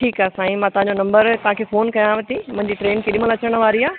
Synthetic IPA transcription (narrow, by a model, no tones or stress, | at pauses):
ʈʰiːkaːsãːĩmãt̪ɐʋɦãɲd͡ʑonɐ̃mbəɾt̪ɐʋãkʰeːfoːnkɐjãʋɐt̪imʊ̃ɦɪ̃ɲd͡ʑiːʈɾeːnkʰeːɗɪ̃mə̃lɐt͡ɕəɽ̃ʋaːɾiaː